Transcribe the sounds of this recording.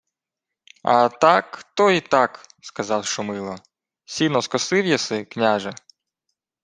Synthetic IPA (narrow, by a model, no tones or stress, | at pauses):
ɐt̪ɑkt̪ɔit̪ɑkskɐzɑwʃʊmɪlˠɔ | sʲilʲnɔskɔsɪwjɐsɪknʲaʒɛ